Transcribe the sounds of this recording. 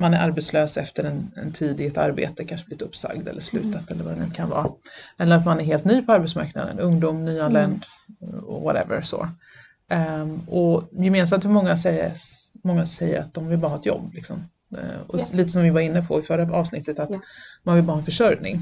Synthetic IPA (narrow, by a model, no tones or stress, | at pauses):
manæɾʔaɾbɛt̪sløːsɛft̪əɾɛnɛ̰nt̪ʰiːd̪ɪɡɛt̪a̰ɾbḛːt̪əkʰanʂəblɪt̪ɵpsa̰ɡd̪ɛ̰lːəʂlʉ̟ːt̪at̪ɛlːəɾvad̪ɛnʉ̟ːkʰanvɑ̰ːɛlːəɾat̪manæɾɦeːlt̪nyːpʰɔaɾbɛt̪sma̰ɾkna̰d̪ə̰nɵŋd̪uːmnyːalɛnd̪ | ɔ̰va̰ɾɛ̰və̰ɾsɔ̰ | ɔjɛmeːns̬amt̪hɵɾmɔŋːasɛjə̰mɔŋːasɛjːə̰ɾa̰t̪̚d̪ɔmvɪlbɑːɾhɑːɛt̪jɔ̰bːlɪksɔ̰m | ɔ̰liːt̪̬əsɔmvɪvaɾɪnːəpʰɔɪfœɾaɑːvsnɪt̪ːət̪at̪manvɪlbɑːɾhɑɛnfəʂœɾnɪ̰ŋ